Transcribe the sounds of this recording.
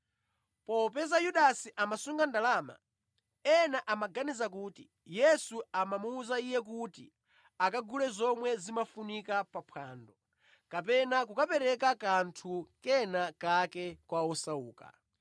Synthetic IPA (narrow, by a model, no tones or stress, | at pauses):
pɔpɛzajuɗasiʔamasuŋɡandalama̰ | ɛnaʔamaɡanizak̬uːtḭ | jɛsuamamuːzaijɛk̬utḭ | akaɡulɛzɔmwɛzimafunikapapʰwaːndɔ | kapɛnak̬ukapɛɾɛkakantʰukɛnakakɛkwaɔsauːka̰